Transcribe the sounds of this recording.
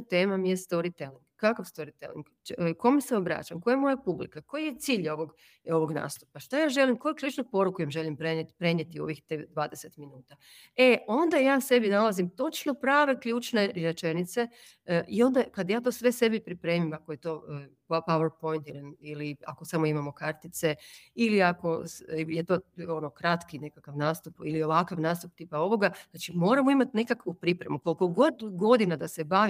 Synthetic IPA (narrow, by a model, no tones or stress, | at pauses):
t̪eːmamijest̪o̞ɾit̪eliŋɡkːakafst̪o̞ɾit̪ḛlḭŋɡ | ko̞meseobɾa̰t͡ʃa̰mkojamo̞japublḭkako̞jije̞t̪siːʎo̞ʋo̞ɡ | o̞ʋo̞ɡna̰ːst̪upaʃt̪ajaːʒe̞limko̞jukʎʲuːt͡ʃnupo̞ɾukujamʒe̞limpɾenet̪pɾe̞ɲjet̪io̞̰ʋixt̪ed̪ʋaːd̪ese̞t̪minuːt̪a | e̞o̞nd̪ajaːse̞binalazimt̪o̞t͡ʃno̞pɾaːʋe̞kʎʲuːt͡ʃne̞ɾe̞t͡ʃe̞nit̪se̞ | ʔio̞nd̪akad̪jaːt̪o̞ːsʋe̞se̞bipɾipɾe̞ːmimakoje̞t̪o̞ːppaweɾpo̞jnt̪ilnilia̰ko̞samoimamo̞kaɾt̪it̪se̞iliako̞sjet̪o̞ːonokɾat̪kine̞kakaʋnaːst̪upilio̞ʋakaʋnaːst̪up̚t̪ipao̞ʋo̞ɡaznaːt͡ʃimo̞ːɾamoimat̪nekakʋupɾipɾe̞mukolko̞ɡo̞d̪ɡo̞d̪inad̪ase̞baʋi